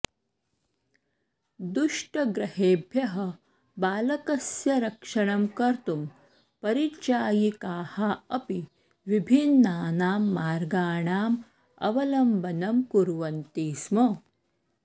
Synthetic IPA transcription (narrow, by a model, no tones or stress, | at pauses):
d̪uʂʈɐɡɾɐheːbʱjɐɦɐ | baːlɐkɐsjɐɾɐkʂɐɳɐmkɐɾt̪um | pɐɾit͡ʃaːjikaːhɐɐpi | ʋibʱinːaːnaːmːaːɾɡaːɳaːm | ɐ̰ʋɐlɐmbʱɐnɐmkuɾʋɐnt̪iːsmɐ